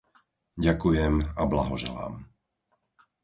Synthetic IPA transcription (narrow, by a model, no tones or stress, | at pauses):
ɟakujɛmablaɦɔʒɛ̰la̰ːm